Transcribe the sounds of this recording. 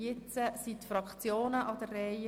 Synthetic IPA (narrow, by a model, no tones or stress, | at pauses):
ɪt͡səsit̪fɾɑkχt͡sjoːnəʔɑd̪ərːɛɪ